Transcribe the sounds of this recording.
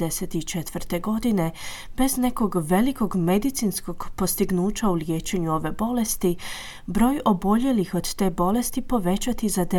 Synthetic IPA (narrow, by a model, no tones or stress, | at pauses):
eset̪it͡ʃet̪ʋɾt̪e̞ɡo̞d̪ine̞ | b̥e̞zne̞ko̞ɡʋe̞liko̞ɡme̞d̪it̪sinsko̞ɡ̥po̞st̪iɡnuːt͡ɕauljeːt͡ʃe̞ɲuo̞ʋe̞bo̞le̞st̪i | bɾo̞ːjo̞bo̞ʎe̞lixo̞d̪t̪e̞ːbo̞le̞st̪ipo̞ʋe̞t͡ɕat̪izad̪e